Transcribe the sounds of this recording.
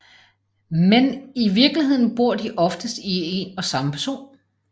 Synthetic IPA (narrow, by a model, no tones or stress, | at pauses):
meniʋiɐɡ̥liɦe̝ð̰ˠn̩b̥o̝ɐ̰d̥iʔɒ̽fd̥əsd̥ie̝nɒ̽sɑ̈məpʰæɐso̝̰ːn